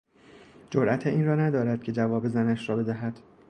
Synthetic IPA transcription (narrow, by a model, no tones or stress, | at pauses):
d͡ʒoɾʔæt̪ʰeʔiːnrɒːnæd̪ɒːɾæd̪̥̚cʰe̞d͡ʒævɒːbe̞zænæʃrɒːbe̞d̪æɦæd̪̥